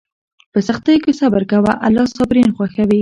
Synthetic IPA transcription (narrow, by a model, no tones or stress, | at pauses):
pəsaxt̪ajkesabaɾkawaʔalːɑsɑbɾinxwaxawi